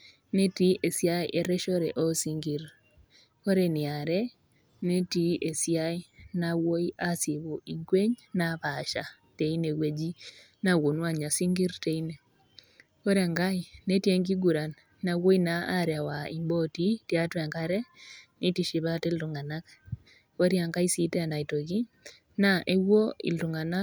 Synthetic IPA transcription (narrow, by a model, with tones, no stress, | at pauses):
ne˦ti˦ʔe˨si˦a˦iʔe˨ɾɛ˦ʃɔ˦ɾɛ̰˨ʔɔ˦si˦ŋɡi˨ɾ | ko˦ɾe˨nɪ˨a˨ɾe˦ | ne˦ti˦ʔe˨si˦a˦i˦nawo˦i˦ʔa˦si˨βo˨ʔi˨ŋɡwe˦ɲna˦pa˨ʃa̰˨ | te˨i˦ne˨we˨d͡ʒi˦ | na˦wo˨nwa˦ɲa˨si˦ŋɡi˦ɾte˦i˦ne˨ | ko˦ɾa˨ŋɡa˦ine˦tie˦ŋɡi˦ɡu˨ɾa˨nː | a˨wo˦i˦naa˦ɾja˨wa˨ḭ˨mbo˦ti˦tja˦twɛ˨ŋkaɾɛ˦ni˦ti˨ʃi˨βate˦ltu˨ŋɡa˨na˦k | o˦ɾja˨ŋɡa˦i˦si˦tɛ˦a˨na˨i˨to˨ki˦ | naʔe˦wo˦ḭ˨ltu˨ŋa˨na˦